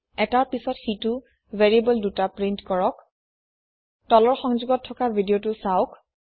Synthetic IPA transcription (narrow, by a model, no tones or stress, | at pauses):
ɛtaɹpisɔtxitʊ | veɹibɔldutapɹintkɔɹɔk̚ | tɔlɔɹxɔŋzuɡɔtʰːɔkabʱidiotʊsaʊk